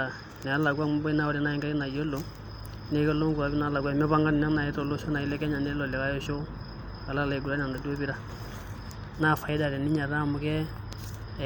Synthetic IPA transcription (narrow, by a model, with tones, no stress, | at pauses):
a˨ | nɛ˨a˦la˨ɡwa˦m˦bɔ˦i˦na˦wɔ˨ɾi˨˦na˦i˦ŋɡa˦ɾi˦na˨jo˦lo˨ | ne˦kɔ˦lo˦ŋɡu˨a˨bi˦na˦la˨ɡwa˦˨mɛ˦βa˦ŋɡa˦n˨nɛ˦na˨ɛ˦tɔ˨lo˦so˦na˨i˦lɛ˦kɛ˦ɲa˨ne˦lɔ˨lɛ˨ka˦jɔ˦ʃo˦ | a˨la˦˨la˨i˨˦ɡu˨ɾa˦n˨a˨nda˨do˦bi˦ɾa˦ | na˦˨fa˨i˦da˨ɾɛ˨ni˦ɲa˨ɾa˦˨mʊ˨kɛ˦˨